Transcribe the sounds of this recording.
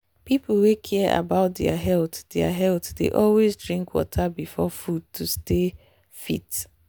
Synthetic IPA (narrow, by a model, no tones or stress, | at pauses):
pipʰl̩wekʰiəʔa̰baʊt̚dɛaɦɛltd̥ɛa̰ɦɛltdḛʔɔlwezdɹĩŋkwɔ̰tʰabifɔfud̚tʰuste | fḭt